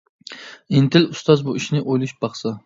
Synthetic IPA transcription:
int̪ʰɪlust̪ɑzbuiʃnɪʔojlˠuʃb̥ɑχsɑ

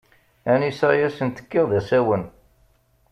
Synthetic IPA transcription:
ænisæjæsənt̪ə̥kːɪʁðæsæwən

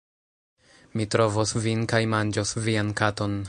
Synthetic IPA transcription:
mitɾo̞vosvinkajmand͡ʒosviankato̞n

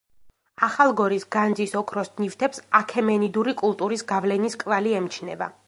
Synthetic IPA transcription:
aχalˠɡɔɾisɡand̪zisɔkʰɾɔsnift̪ʰɛpsakʰɛmɛnid̪uɾikʼulˠt̪ʼuɾisɡavlɛniskʼvaliɛmt͡ʃʰnɛ̰va̰

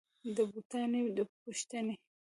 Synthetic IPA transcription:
d̪əbut̪ɑned̪əpuʃt̪əne

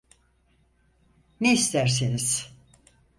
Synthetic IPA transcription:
neist̪ʰæɾseniz̥

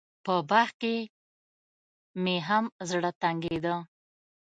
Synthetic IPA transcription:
pəbaxke | meɦamzɽət̪aŋɡed̪ə

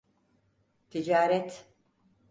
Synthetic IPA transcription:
t̪ʰid͡ʒaːɾɛt̪

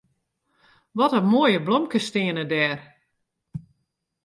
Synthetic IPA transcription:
ʋɔtəmoəjəblɔmkəstɪənədɛːr

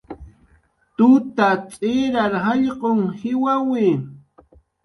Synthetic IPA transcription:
t̪ʊt̪at͡sʼɪɾaɾhɑʎqoŋhɪwawɪ

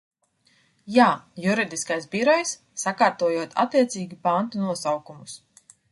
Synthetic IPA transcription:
jaːjuɾid̪iskajsbiɾɔjsːakaːɾt̪uɔjuɔt̪ʰa̰t̪ːiɛt̪siːɡʲipant̪unuɔsawkumus

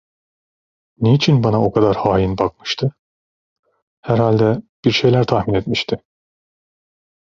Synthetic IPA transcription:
net͡ʃʰinbanao̞kʰad̪aɾhaːjinbak̚mɯ̥ʃt̪ʰɯ | hæɾhalʲd̪ɛb̥iɾʃe̞jlʲæɾt̪ʰahminet̪miʃt̪ʰɪ

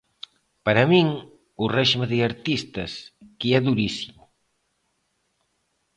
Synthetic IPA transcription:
pɐɾɐmiŋ | urɛʒmeðeaɾt̪ist̪ɐskiɛðuɾisimu

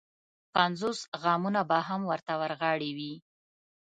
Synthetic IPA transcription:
panzosɣɑmunabaɦamwəɾt̪awəɾɣɑɽiwi

